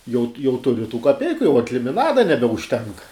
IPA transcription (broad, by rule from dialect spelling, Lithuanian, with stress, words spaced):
jɛʊt jɛʊ tʊˈrʲɪ tuː kɐˈpʲɛɪkʊ jɛʊ ɐnt lʲɪmʲɪˈnɑːdɐ nʲɛbʲɛʊʃʲˈtʲɛŋk